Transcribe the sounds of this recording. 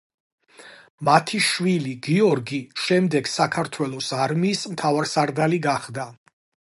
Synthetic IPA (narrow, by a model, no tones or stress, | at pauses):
mat̪ʰiʃwiliɡiɔɾɡiʃɛmd̪ɛɡsakʰaɾt̪ʰwɛlˠɔsaɾmiːsmt̪ʰavaɾsaɾd̪aliɡaχd̪a